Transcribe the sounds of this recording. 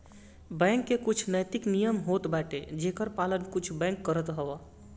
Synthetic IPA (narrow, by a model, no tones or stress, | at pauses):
bɛ̃ŋkːekut͡ʃʰnəjt̪iknijəmɦot̪baʈed͡ʒekəɾpalənkut͡ʃʰbɛ̃ŋkːəɾət̪ɦəwa